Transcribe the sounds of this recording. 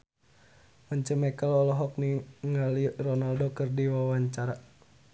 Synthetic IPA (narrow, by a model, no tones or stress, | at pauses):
məɲt͡ʃəmɛkəlɔlɔɦɔk̚niŋalirɔnaldokɨrdiwawaɲt͡ʃaɾa